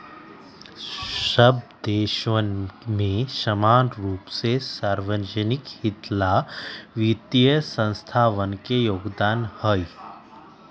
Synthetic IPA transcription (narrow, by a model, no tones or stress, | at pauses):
səbd̪eːʃʋənmẽʃəmaːnɾuːpsesaːɾʋəd͡ʒənikhit̪laʋit̪jəsə̃nst̪ʰaːʋənkejoːɡd̪aːnhəj